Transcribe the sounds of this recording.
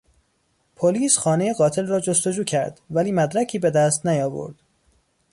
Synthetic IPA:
pʰoliːsxɒːnejeɡɒːt̪ʰe̞lrɒːd͡ʒo̞st̪o̞d͡ʒuːcʰæɾd̪væliːmæd̪ɾæcʰiːbe̞d̪æst̪næjɒːvo̰ɾd̪̥

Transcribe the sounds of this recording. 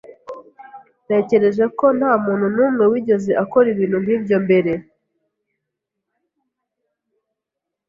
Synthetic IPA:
ne̞ːce̞ɾe̞ʒe̞ko̞n̥haːmuːnhunuːmŋewiɟo̞zeʔako̞ɾiβiːnhun̥hiːbjo̞mbe̞ɾe̞

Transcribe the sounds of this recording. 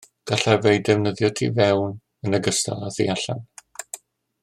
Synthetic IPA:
ɡ̥aɬavejdɛvnəðjɔtʰḭvɛwn | ənəɡəstʰa̰lˠaθḭaɬa̰n

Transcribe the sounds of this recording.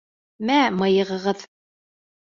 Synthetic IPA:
mæmɤ̆jɤ̆ʁɤ̆ʁɤð

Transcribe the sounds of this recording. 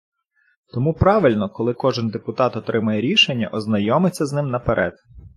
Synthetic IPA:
t̪ɔmupɾɑʋɪlʲnɔkɔlˠɪkɔʒɪnd̪epʊt̪ɑt̪ɔt̪ɾɪmɐjɛɾʲiʃenʲːɐ̰ʔɔznɐjɔmɪt͡sʲːɐznɪmnɐpeɾʔɛ̰d̪̥

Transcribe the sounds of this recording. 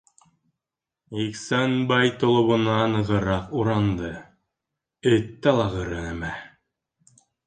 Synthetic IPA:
iksænbɑjt̪ŏlˠŏβŏnɑnɤ̆ʁɤ̆ɾɑquɾɑnd̪ɤ | ɘt̪ːɑlˠɑʁɤɾɤnæmæ

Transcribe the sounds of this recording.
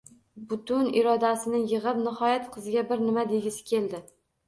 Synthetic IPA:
bʊt̪ʊnɪɾɒd̪asɪnɪjɨʁɨpnɪhɒjat̪qʰɨzɪɡʲabɪɾnɪmad̪eɡʲɪsɪ̥kʲʰe̞ld̪ɪ

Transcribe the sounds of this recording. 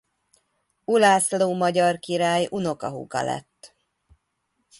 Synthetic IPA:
ulaːsloːmɒɟɒrkiɾaːjuno̞kɒɦṵkɒ̰lɛ̰t̪ː

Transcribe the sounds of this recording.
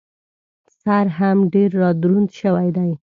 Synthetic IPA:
saɾɦamɖeɾːɑd̪ɾund̪ʃəwajd̪aj

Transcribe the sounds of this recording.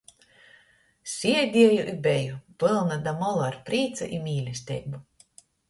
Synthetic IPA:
sʲiɛd̪ʲiɛjuʔibɛjubɨlˠnad̪amɔlˠaɾpɾiːt̪sɨ̰ʔimʲiːlʲisʲt̪ʲɛ̰jbu

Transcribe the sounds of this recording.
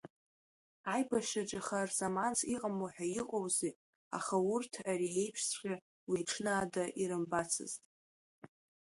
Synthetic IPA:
ajbaʃaʈ͡ʂʼaχarzamant͡sʰiqʼamoħᶣaiqʼowzi | a̰χaʊrtʰaɾie̞jpʰʂsχʲa | wiʈ͡ʂʰnaːdaʔiɾɨmbat͡sʰɨ̰ztʼ

